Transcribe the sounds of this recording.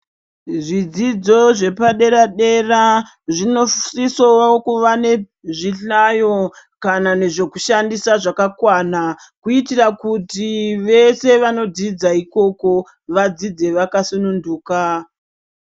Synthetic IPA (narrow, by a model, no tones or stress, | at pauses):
ʐid͡zid͡zo̞ʐe̞paɗe̞ɾaɗe̞ra | ʐino̞sisoakuʋane̞ | ʐiɬajo | kanane̞ʐe̞kuʃandisaʐakakwana | kuitirakutiʋe̞se̞ʋano̞did͡zaiko̞ko̞ | ʋad͡zid͡ze̞ʋakasununduːka